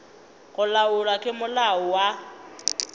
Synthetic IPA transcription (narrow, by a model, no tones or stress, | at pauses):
ɣʊlaʊlwakʼɪmʊlaʊwa